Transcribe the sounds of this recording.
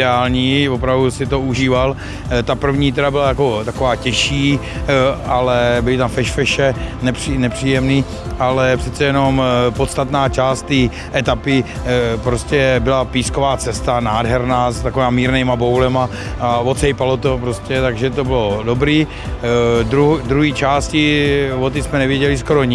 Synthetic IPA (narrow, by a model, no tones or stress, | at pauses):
ɛaːlɲiːvopɾavdusɪt̪ouʒiːval | t̪apr̩vɲiːt̪ɛɾabɪlajako̞t̪akovaːcɛʃiː | ʔalɛbɪlɪt̪amfɛʃfɛʃɛnɛpr̥iːnɛpr̥iːjɛmniː | ʔalɛpr̥ɛt͡sɛjɛno̞mpot̪st̪at̪naːt͡ʃaːst̪ːiː | ʔɛt̪apɪ | pɾoscɛbɪlapiːskovaːt͡sɛst̪anaːdɦɛɾnaːst̪akoviːmamiːɾnɛjmabowlɛma | avot̪t͡sɛjpalot̪opɾoscɛt̪aɡʒɛt̪o̞bɪlodobɾiː | d̪ɾud̪ɾuɦiːt͡ʃaːscɪvot̪ismɛnɛvjɛɟɛlɪsko̞ɾoɲ